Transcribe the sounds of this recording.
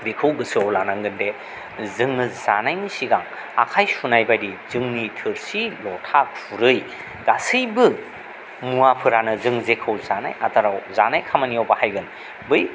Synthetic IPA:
bikʰɯwɡɯsɯolanaŋɡɯnde | zɯŋɯzanajnisiɡaŋ | a̰kʰajsunajbajɾizɯŋnitʰɯɾsilɔtʰakuɾɯj | ɡ̥asɯjbɯ | muapʰɯɾanɯzɯŋzekʰɯwzana̰jatʰaɾawzanajkʰamaniɔwbahajɡɯn | bɯj

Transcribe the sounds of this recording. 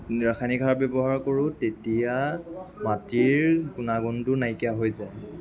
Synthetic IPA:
ɹaxʰaniɡʱabebɔɦaɹkoɹʊtetijamatiɹɡunaɡɔntʊnajkɛaɦojzaj

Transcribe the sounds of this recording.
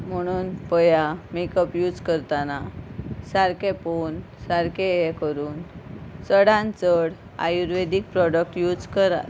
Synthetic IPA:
m̤əɽ̃uːnpəjamekəpjud͡zkəɾt̪anasaɾkẽpon | saɾkeekəɾuːnsəɽãnt͡səɽ | a̰juɾʋed̪ik̚pɾɔɖək̚ʈjud͡zkəɾa̰

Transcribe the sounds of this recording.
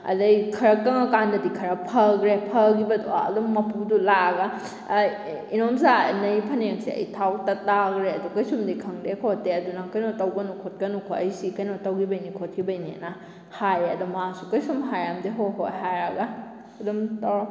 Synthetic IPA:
ɐ̰dɐjkʰɐɾɐkːɐŋɐkandɐdikʰɐɾɐpʰɐɡɾepʰɐɡibɐdua̰ɐ̰dumːɐpudulaɡa | inomzanɐjpʰɐnek̚sḭɐ̰jtʰawtɐtːaɡɾeɐdukɐjsumdikʰɐŋdekʰotːeɐdunakɐjnotɐwɡɐnukʰot̚kɐnukʰoɐjsikɐjnotɐwɡibɐjnikʰot̚kibɐjnḭna | hajeɐdumːasu̥kɐjsumɦajɾamdeɦoɦojɦajɾɐɡa | dumtaw

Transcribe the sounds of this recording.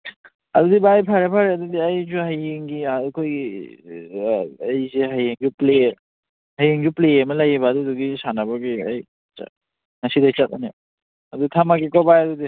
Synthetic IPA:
ɐdudibajpʰaɾepʰaɾeadudiajzuɦajeŋɡiakʰojɡi | jzeɦajeŋɡuple | hajiŋd͡ʒuplejemɐlajebaduduɡisanabaɡia̰j | t͡ʃa̰ | nasidajt͡ʃat̚a̰ne | ɐdutʰamakikɔbajadudi

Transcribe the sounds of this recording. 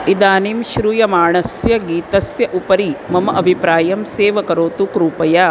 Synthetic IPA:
id̪aːnimʃɾujɐmaːɳɐsjɐɡiːt̪ɐsjɐʔupɐɾimɐmɐʔɐbʱipɾaːjɐmseːʋɐkɐɾoːt̪ukɾuːpɐja

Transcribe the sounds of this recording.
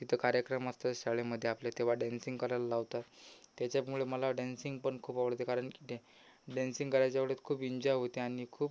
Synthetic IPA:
t̪it̪ʰəkaɾjəkɾəməst̪əɕaɭeməd̪ʱːjeapljat̪eʋ̤aɖænsĩŋɡkəɾallaʋt̪at̪ːjat͡ɕjamuɭeməlaɖænsiŋɡpəɳkʰuːpaʋəɽt̪ekaɾəɳki̥t̪ʰẽ | ɖænsiŋɡkəɾajt͡ɕjaʋəɽət̪kʰuːpiɲd͡ʑɔjɦot̪eaɽ̃ikʰuːp

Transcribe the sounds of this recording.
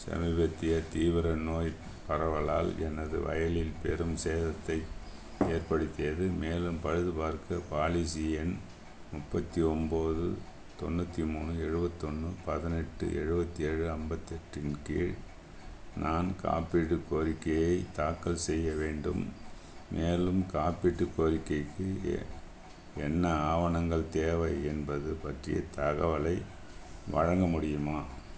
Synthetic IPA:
sɐ̰mɪbɐt̪ːɪjɐt̪iːʋɐɾɐnoːj | pɐɾɐʋɐɭaːlɛnɐðɯ̰ʋɐ̰jɐlɪlpɛɾɯmseːðɐt̪ːɐɪ | eːɾpɐɽɯt̪ːɪjɐðɯmeːlɯmpɐɻɯðɯpaːɾkɐpaːlisɪjɐn | mʊpːɐt̪ːiɔmboːðɯ̰ | t̪ɔnːɐt̪ːimuːɳɯɛɻɯbɐt̪ːɔnːɯpɐðɪnɛʈːɯ̰ʔɛ̰ɻɯbɐt̪ːiɛːɻɯɐmbɐt̪ːɛʈrɪnkḛːɻ | nʔaːnka̰ːpiʈːɯkːoːɾɪkːɐjɐɪt̪aːkːɐlsɛjːɐʋeːɳɖɯ̰mː | eːlɯmkaːpiʈːɯkːoːɾɪkːɐɪkːɯ | ɛnːɐaːʋɐɳɐŋɡɐɭt̪eːʋɐɪɛnbɐðɯpɐʈrɪjɐ̰t̪ɐɣɐʋɐlɐɪ | ʋɐ̰ɻɐŋɡɐmʊɽɪjɯmaː

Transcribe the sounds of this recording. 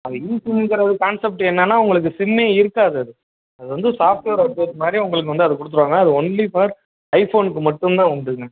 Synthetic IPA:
ɐðɯɪnsɪŋɯkːɪɾɐðɯkaːnsɛp̚ʈɯɛnːɐnːaːʊŋɡɐɭɯk̬ːɯsɪmːeːɪɾɯkːaːðɯɐðɯ | ɐðɯʋɐnd̪ɯsaːfʈʋeːɾɐʈːɯɐðɯmaːd̪ɾiʊŋɡɐɭɯk̬ːɯʋɐnd̪ɯɐðɯkʊɽɯt̪ːɯɾʋaːŋɡɐːɐðɯɔɳlifaːɾ | ɐɪfoːnɯkːɯmɐʈːɯmt̪ãːɔɳɖɯŋɡɐ

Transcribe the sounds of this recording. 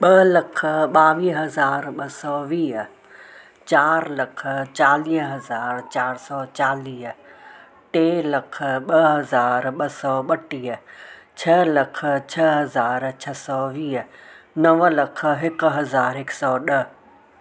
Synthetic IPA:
ɓələkʰɓaːʋiːɦɐzaːɾɓəsɔːʋiː | t͡ʃaːɾlɐkʰt͡ʃaːliːɦɦɐzaːɾt͡ʃaːɾsɔːt͡ʃaːliːɦ | ʈeːləkʰɓəɦəzaːɾɓəsɔːɓəʈiːt͡ʃʰəlɐkʰt͡ʃʰɐɦɐzaːɾt͡ʃʰɐsɔːʋiːɦ | nəʋləkʰɦɪkɦɐzaːɾɪksɔːɗə

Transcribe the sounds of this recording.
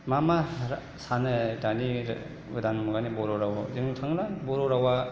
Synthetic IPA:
mamaɾ | sanɯdaniɾ | bid̪anmuɡanibɔɾɔɾawadiŋtʰaŋlabɔɾɔɾawa

